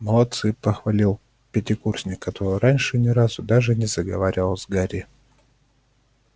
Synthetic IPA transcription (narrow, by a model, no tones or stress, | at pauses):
məlˠɐt̪sɨpəxvɐlʲilˠ | pʲɪtʲɪkursʲnʲɪkːɐt̪oɾɨjɾanʲʂɨnʲɪɾazʊd̪aʐɨnʲɪzəɡɐvaɾʲɪvəlˠzɡaɾʲɪ